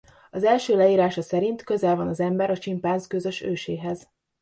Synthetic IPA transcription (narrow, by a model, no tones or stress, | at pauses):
ɒzɛlʃøːlɛiːɾaːʃɒsɛɾint̪kø̞zɛlvɒnɒzɛmbɛɾɒt͡ʃimpaːnzkøzø̞ʃøːʃeːɦɛz